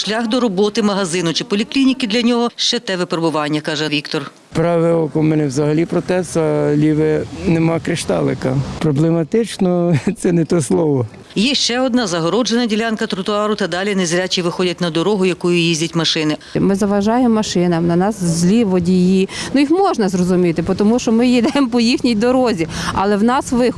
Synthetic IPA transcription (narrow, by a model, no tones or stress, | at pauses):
ʃlʲaxd̪ɔɾɔbɔt̪ɪmɐɦɐzɪnʊt͡ʃɪpɔlʲiklʲinʲikɪd̪lʲɐnʲɔɦɔʃt͡ʃɛt̪ɛʋɪpɾebʊʋɑnʲːɐkɑʒɛʋʲikt̪ɔr | pɾɑʋɪɔkɔmɛnɛwzɐɦɐlʲipɾɔt̪ɛsɐlʲiʋenemɑkɾɪʃt̪ɑ̰lˠɪkɐpɾɔblˠemɐt̪ɪt͡ʃnɔt̪sɛnɛt̪ɔslˠɔʋɔ | jɛʃt͡ʃɛɔd̪nɑzɐɦɔɾɔd͡ʒenɐdʲilʲankɐt̪ɾʊt̪ʊɑɾʊt̪ɐd̪ɑlʲinɛzɾʲat͡ʃiʋɪxɔdʲɐt̚ʲnɐd̪ɔɾɔɦʊjɐkujʊjizʲdʲɐtʲmɐʃɪnɪmɪzɐʋɐʒɑjemːɐʃɪnɐmnɐnɑszʲlʲiʋɔdʲijinujixmɔʒnɐzrɔzʊmʲit̪ɪpɔt̪ɔmuʃɔmɪjid̪ɛmpɔjixnʲijd̪ɔɾɔzʲiɐlˠɛwnɑsʋɪx